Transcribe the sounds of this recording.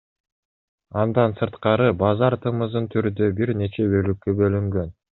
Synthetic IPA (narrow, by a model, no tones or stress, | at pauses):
ɑnd̪ɑnsɯɾt̪qɑɾɯbɑzɑɾt̪ʰɯmɯzɯnt̪ʰyɾnd̪øbiɾne̞t͡ʃe̞bø̞lykːøbø̞lyŋɡø̞n